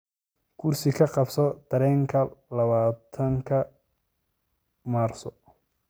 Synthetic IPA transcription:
kʰʊrsɪkʰɐqɑbsɔt̪ʰɐɾɛːŋkʰɐlɐβaːt̪ʰɐŋkʰɐ | maːrsɔ

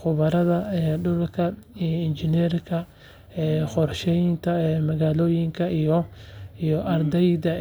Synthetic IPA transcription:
χʊβɐɾɐðɐɛɖʊlkʰɐɪnd͡ʒɪnɛrkʰɐ | ɛːχɔrʃɛjnt̪ʰɐmɐɣaːloːjɪŋkʰɐʔijɔijɔʔɐrd̪ɛjd̪ɐ

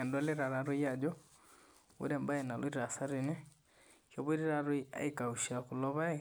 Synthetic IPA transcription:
endaliɾaɾaɾujad͡ʒɔ | ṵɾɛmbaenalwiɾɾasaɾine | kjoβiɾiɾaɾuia̰ikauʃakulɔβai

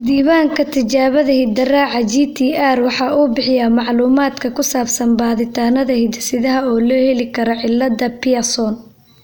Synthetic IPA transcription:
d̪iːβaːŋkʰɐt̪ʰɪt͡ʃaːβɐðɐhɪd̪ɐraːʕɑd͡ʒiːt̪ʰiːʔaːrwɑħɑːuːbɪħɪjaːmɑʕluːmaːd̪kʰɐkʰʊsaːbsɐnbaːðɪt̪ʰaːnɐðɐhɪd̪sɪðɐɦɐɔːlɔːhɛlɪkʰɐɾɔʕɪlːɐd̪ɐpʰɪɐsɔn

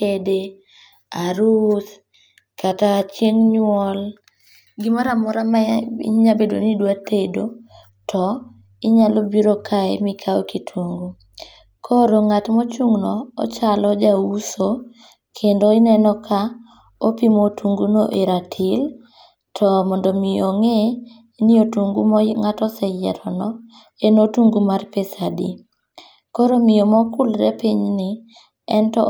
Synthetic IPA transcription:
kede | aɾut | kataːt͡ʃjenɲwɔl | ɡɪmaɾamɔɾama̰ɲabedo̰nidwatedo | tʰɔ | ɪɲalobiɾokʰaemikʰaokitʰuŋɡu | kʰoɾoŋatmɔt͡ʃuŋnɔ̰ːt͡ʃalɔd͡ʒawuso | kʰendoinɛnɔkʰa | opimotʰuŋɡuno̰ʔeɾatʰil | tʰɔmɔndɔmioŋe | niotuŋɡumŋatɔsɛjɛ̰ɾɔnɔ | enotuŋɡumarpesadḭ | koɾomɪjomɔkulɾɛpiɲnɪ | ɛntɔ̰

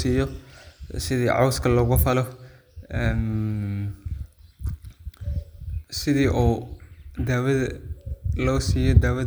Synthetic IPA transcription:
siːjɔ | sɪðiːʕɑ̰wskʰɐlɔːɣʊfɐlɔ | ɛn | sɪðiːʔuː | d̪aːwɐð | lɔːsiːjɔd̪aːwɐ

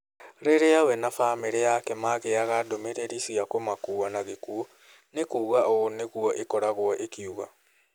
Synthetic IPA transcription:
ɾeɾeawɛnafameɾejakɛmaɣeaɣadomeɾeɾisiakomakuːanaɣekuo | nekuːɣaoneɣuɔʔekɔɾaɣwɔʔekiuɣa̰

